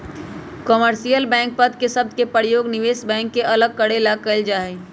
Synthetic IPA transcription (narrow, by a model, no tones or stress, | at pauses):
kɔməɾsijəlbɛ̃ːŋk̚pəd̪kesəb̚d̪ʱkepəɾjoːɡnɪʋeːsbɛ̃ːŋkːeʔɐləɡ̚kəɽelaɡ̚kəld͡ʒaːɦɛ